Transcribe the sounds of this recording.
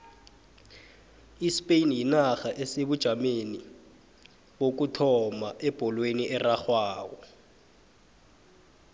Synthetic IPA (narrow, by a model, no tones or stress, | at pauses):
ispʼeinjinaxaʔeseɓud̥ʒ̥ʱameni | ɓok̬utʰɔmaʔɛb̥ʱɔlweniʔɛraxwaːwɔ